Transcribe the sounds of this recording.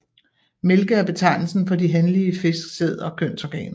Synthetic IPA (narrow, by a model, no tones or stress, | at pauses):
me̝lɡ̥əæɐb̥e̝t͡sʰɑ̈ɪ̰nl̩sn̩fɒ̽diɦenliəfe̝sɡ̥se̝ð̞̰ˠɒ̽kʰøn̰sɒɡ̥ɛ̰ːn